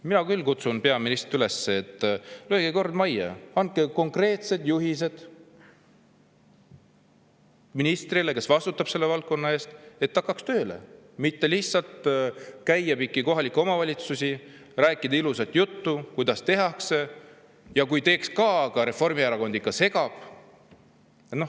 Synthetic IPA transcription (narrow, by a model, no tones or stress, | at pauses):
minɑkylːkut̪sunpe̞ɑminist̪tyle̞sːeːt̪ːˑløɡeko̞rd̪mɑjḛɑnt̪̚ke̞ko̞ŋkre̞ːt̪se̞d̪̥juɦise̞d̪̥ | minist̪rile̞ke̞svɑst̪ut̪ːˑɑb̥se̞lːe̞vɑlk̚kːo̞nːɑe̞ːst̪e̞t̪ːɑkːˑɑkst̪ø̞ːle̞̰mit̪ːe̞lihtsɑlt̪kæjːɑpikːˑiko̞ɦɑlikːˑo̞mɑvɑlʲit̪susi | ræːkˑːid̪ɑilusɑt̪ːjut̪ːukujd̪̥ɑst̪e̞ɦɑkse̞ | jɑkujt̪e̞ːkskɑkɑɾe̞fo̞rmiæɾɑko̞nd̪ikːɑse̞ɡɑb̥ | et̪no